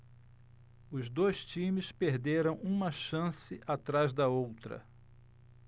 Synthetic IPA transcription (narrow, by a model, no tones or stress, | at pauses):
ʊzd̪ojst͡ʃĩmɪspeɾd̪eɾɐ̃w̃ũmɐʃɐ̃sɪʔat̪ɾazd̪ɐowt̪ɾɐ̰